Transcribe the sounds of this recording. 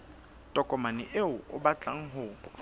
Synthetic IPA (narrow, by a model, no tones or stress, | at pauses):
tʼɔkʼɔmanɪʔeʊʊ̰bat͡ɬʼaŋ̩ɦʊ